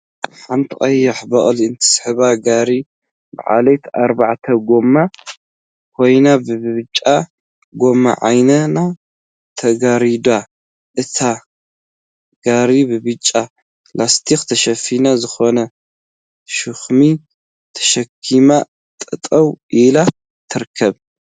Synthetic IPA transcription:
ħant̪ʰɨχʼɐjːɐħbɐχʼlɨnt̪ʰɨ̥sħɨβaɡaɾi | bɨ̰ʕa̰lejt̪aɾbaʕt̪ʰɐɡo̞mːa | kʰo̞jnabɨbɨβɨt͡ʃʼːa | ɡo̞mːa̰ʕa̰jnɐna | t̪ʰɐɡaɾid̪a | ʔɨt̪ʰa | ɡ̥aɾibɨβɨt͡ʃʼːa | last̪ʰixt̪ʰɐʃɐfinazɨxo̞nɐ | ʃɨxmi | t̪ʰɐ̥ʃɐkʰːima | t̪ʼɐt̪ʼɐwʔila | t̪ʰɨɾkʰːɐβ

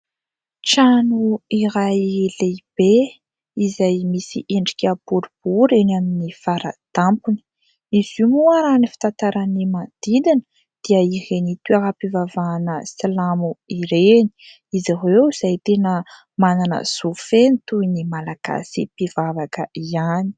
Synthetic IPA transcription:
ʈ͡ʂanuiɾajleb̥e | izajmisḭʔeɳɖ͡ʐi̥kʲapuɾub̥uɾenaminifaɾa̰d̪̥ampuni̥ | izumuaɾanifi̥t̪ant̪aɾanimad̪̥id̪in | d̪̥iəihenit̪uaɦapivavanəsilamuiɾeni̥ | iziɦewiz̥ajt̪enə | mananə̰z̥ufenit̪uinimalaɡ̥a̰sḭpivavakəiani̥

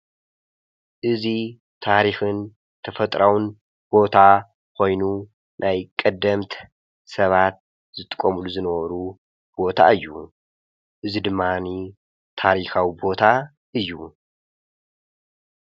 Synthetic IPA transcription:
ʔɨzi | t̪ʰaɾixɨn | t̪ʰɐfɐt̪ʼɾawɨn | b̥o̞t̪ʰa | kʰo̞jnu | nʔajkʼɐd̪ːɐmt̪ʰ | sɐβat̪̚ | z̥ɨt̪ʼɨ̥kʼɐmuluzɨnɐβɐɾu | b̥o̞t̪ʰa̰ɨjːu | ʔɨzid̪ɨmːani | t̪ʰaɾixawibo̞t̪ʰa | ʔɨjːu

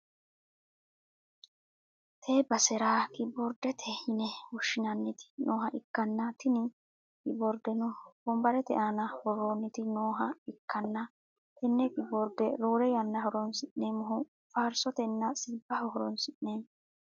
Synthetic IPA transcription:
t̪ʰeːbɐsɛɾaːkʼɪbɔɾd̪ɛt̪ʰɛhɪnɛwɔʃːɪnɐnːɪt̪ɪ̥noːɦɐʔɪkːɐnːɐt̪ɪnɪ | kʼɪbɔɾd̪ɛnʊbɔmbɐɾɛt̪ɛ̰ʔanɐhɔrːoːnːɪt̪ɪnoːɦɐɪkːɐnːɐ | t̪ɛnːɛkʼɪbɔɾd̪ɛɾuːɾɛjɐnːɐɦɔɾɔnsɪʔneːmɔɦʊ | faːɾsɔt̪ɛnːɐsiːbːɐhɔhɔɾɔnsɪʔneː

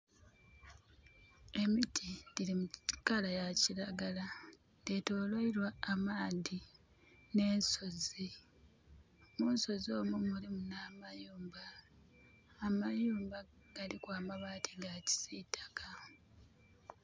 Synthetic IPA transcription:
e̞mitʰidilimukalajaciɾaɡala | detoːloiɾwaːmaːði | ne̞ːnso̞zi | muːnso̞zo̞ːmumulimunaːmajuːmba | majuːmba | ɡ̥alikwaːmaβaːtʰiŋɡaci̥sitʰḁka

